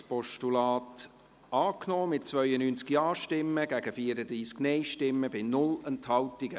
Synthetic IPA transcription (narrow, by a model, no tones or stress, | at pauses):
spɔʃtulɑːt | ɑːknɔːmɪt̚t͡svœʏənyːnt͡skjɑːʃtɪmːəɡæɡəfiːəɾəd̥̪ɾiːsknɛɪʃtɪmːəbɪnʊlɛnthɑwtɪɡ̥ə